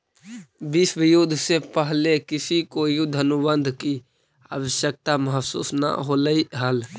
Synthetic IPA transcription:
biːsʋɪjud̪ʱsepəɦlekɪsikojud̪ʱənubənd̪ʱki | a̰ːwəʃjək̚t̪aməɦsṵːsnə̰ɦoːləiɦəl

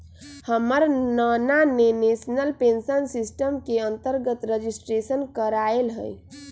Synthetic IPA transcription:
həməɾnananenesnəlpensənsisʈəmkeənt̪əɾɡət̪ɾəd͡ʒisʈɾesənkəɾaelɦə̰j

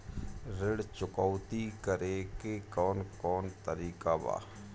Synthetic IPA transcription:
ɾɪɽt͡ʃʊkɔːʊt̪ikəɾekekɔːnkɔːnt̪əɾiːkaba̰ː

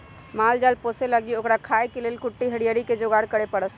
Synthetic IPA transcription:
maːld͡ʒaːlpoːseləɡioːkɾakʰaekeleːlkʊʈːiɦəɽijəɾiked͡ʒoɡaːɾkəɽepəɽət̪

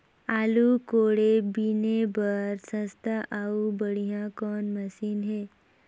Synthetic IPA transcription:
aːlukoːɽebinebəɾsə̃st̪ʰaʔaːubəɽijãkɔːnməsiːnɦɛː

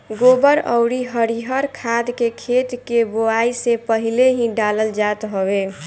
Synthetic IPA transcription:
ɡobəɾə̰ʊɽiɦəɾiɦəɾkʰad̪kekʰet̪keboaisepəɦileɦĩɖaləld͡ʒat̪ɦobe

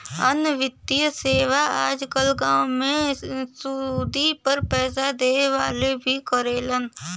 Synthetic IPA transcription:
ə̰nʋɪt̪ːijəseːʋaaːd͡ʒkəlɡãːʊmẽsuːd̪ipəɾpɛːsad̪eːʋaːlebʱikəɾeːlən

